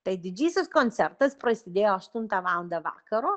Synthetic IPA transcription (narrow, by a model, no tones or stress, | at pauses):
t̪ɐɪd̪ʲɪd͡ʒʲiːsʲɪskoːnʲt̪ʲɛɾt̪ɐspɾɐsʲɪd̪ʲeːjoːɐʃt̪ʊnt̪ɑʋɑːlˠɐnd̪ɐʋɑ̰ːkɐɾoː